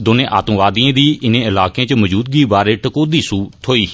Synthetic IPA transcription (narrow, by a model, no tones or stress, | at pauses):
d̪oːnẽːʔa̰ːt̪əmʋaːd̪iãːd̪iːʔɪnẽːɪlaːkẽːt͡ʃəməd͡ʒuːd̪̚ɡiːbaːɾeːʈəkoːd̪iːsuːt̪ʰoːiː